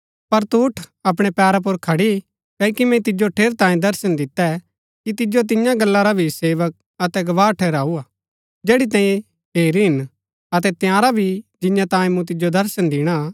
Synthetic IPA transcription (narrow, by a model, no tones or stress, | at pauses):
pɐɾt̪uːʈʰɐp̬ɽ̃ɛpɛːɾap̬ʊɾkʰɐɽi | kɛkimɛ̃t̪ɪd͡ʒoʈʰeːɾt̪ãːĩd̪ɐɾsənd̪ɪt̪ːɛ | kit̪̬ɪd͡ʒot̪̬ɪjãɡɐlːaɾabʱiseːʋək̚ | ɐt̪ɛɡɐʋaːʈʰɛːɾaːuaː | d͡ʒeːɽit̪̬ãːjẽ | ɦeːɾiɦɪn | ɐt̪ɛt̪jãːɾabʱid͡ʒɪ̃jãt̪ãːĩmũt̪̬ɪd͡ʒod̪ɐɾsənd̪ɪɽ̃a